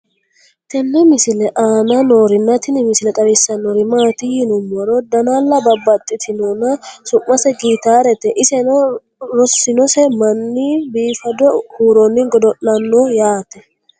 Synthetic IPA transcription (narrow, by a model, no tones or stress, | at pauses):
t̪ɛnːɛmɪsɪlɛʔaːnɐnoːɾɪnːɐt̪ɪnɪmɪsɪlɛt̪ʼɐɾɪsːɐnːɔɾɪmaːt̪ɪjɪnʊmːɔɾɔd̪ɐnaːlːɐbɐbːɐt̪ʼːɪt̪ʰɪnɔnɐsʊmːɐsɛɡiːt̪aːɾɛt̪ɛʔɪsɛnɔ | ɾɔsːɪnɔsɛmɐnːibiːfɐd̪ɔhuːɾonːɪŋɡɔd̪ɔʔːɐnːojaːt̪ɛ